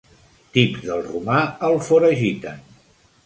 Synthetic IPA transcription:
t̪ipzðəlˠrumaəlˠfoɾəʒit̪ən

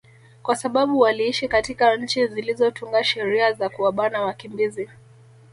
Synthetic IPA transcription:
kwasaɓaɓuwaliiʃikatikaɲ̩t͡ʃizilizɔtuŋɡaʃɛɾiazakuwaɓanawakimbizi

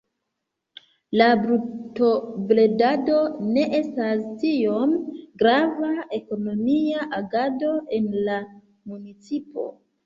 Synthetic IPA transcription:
labɾuto̞ble̞dado̞ne̞ʔe̞stastio̞mɡɾavae̞ko̞no̞miaʔaɡado̞ʔe̞nla | munit͡sipo̞̰

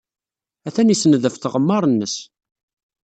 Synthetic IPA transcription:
æθænisənðəfθəʁəmːɑɾˤnːəs

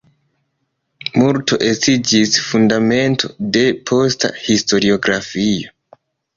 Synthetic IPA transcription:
muɾto̞ʔestid͡ʒisfundame̞ntʰo̞de̞pʰo̞sta̰histo̞ɾio̞ɡɾafio

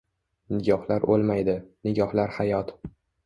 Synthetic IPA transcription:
nɪɡʲɒhlaɾo̰lˠmajd̪ɪnɪɡʲɒhlaɾhajɒt̪

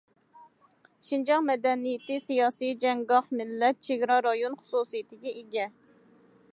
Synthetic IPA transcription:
ʃind͡ʒɑŋmɛd̪ɛnijɪt̪ʰɪsijɑːsijd͡ʒɛŋɡɑχmɪlːɛt̪̚t͡ʃʰeɡɾɑɾɑjonχʊ̥susijit̪ʰɪɡʲɛʔeɡʲɛ

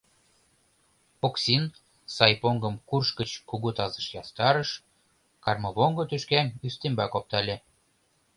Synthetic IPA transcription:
oksin | sɑjpoŋɡɤ̆mkurʃkə̆t͡ɕkuɣut̪ɑzə̥̆ʃjɑst̪ɑɾɤʃ | kɑrmɤ̆βoŋɡŏt̪øʃkænyst̪embɑkop̚t̪ɑlʲĕ

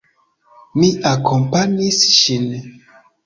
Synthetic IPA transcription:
miakʰompaɲisʃin

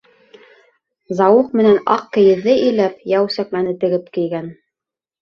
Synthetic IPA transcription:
zɑwuqmɘ̆nænɑqkɘ̆jɘ̆ðːɘʔɘ̆jlæp̚jæwsæk̚mænɘt̪ɘ̆ɡɘp̚kɘ̆jɡæn

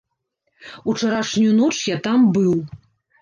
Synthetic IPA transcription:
ut͡ʂɐɾaʂnʲuunɔt͡ʂjat̪ambɨw

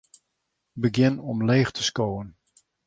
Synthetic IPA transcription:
bəɡjɪnɔmleːχtʰə̥skowən

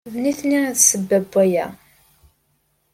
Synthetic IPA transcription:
vniθniæðsəbːæbʷːæjæ

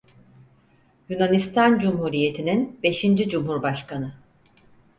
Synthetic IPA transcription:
junanist̪ʰand͡ʒumɦuɾije̞t̪ʰininbe̞ʃind͡ʒid͡ʒumɦuɾbaʃkanɯ

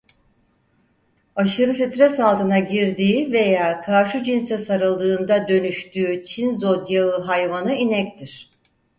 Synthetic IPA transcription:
aʃɯɾɯsit̪ɾɛsalˠt̪ʰɯnaɟiɾd̪iːve̞jaːkʰaɾʃud͡ʒinsɛsaɾɯlˠd̪ɯːnd̪ad̪ø̞nyʃt̪ʰyːt͡ʃʰinzod̪jaɯɦajvanɯinɛct̪ʰiɾ̥

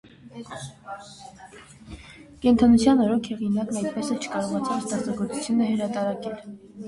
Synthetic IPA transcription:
kɛnt̪ʰɑnut͡sʰjɑnɔɾɔkʰhɛʁinɑknɑjt̪̚pɛsɛt͡ʃʰə̥kɑɾɔʁɑt͡sʰɑləst̪ɑsɑɡɔɾt͡su̥t͡sʰjunəhəɾɑt̪ɑɾɑkɛl

